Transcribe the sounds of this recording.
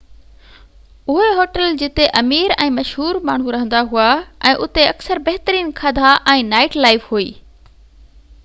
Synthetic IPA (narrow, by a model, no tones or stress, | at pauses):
ʊɦeɦoːʈəld͡ʑɪt̪eʔɐmiːɾɛ̰̃ːmɐʃɦuːɾmaːɳ̤ũɾɐɦə̃nd̪aɦuaɛ̃ːʔʊt̪eɐksəɾbɐɦɪt̪əɾiːnkʰad̪ʱaʔɛ̃ːnaːɪʈlaːɪfɦuiː